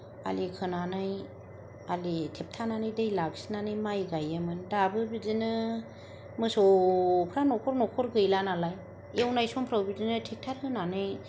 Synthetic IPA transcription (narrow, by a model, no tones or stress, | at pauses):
a̰likʰɯnanaj | alitʰep̚tʰananɯjdɯjlaɡsinanɯjmajɡajɯmɯndabɯbizɯnɯ | mɯsɔpʰɾanɔkʰɔɾnɔkʰɔɾɡɯjlanalaj | ewnajsɔmpʰɾawbizɯnɯtʰik̚tʰaɾhɯnanɯj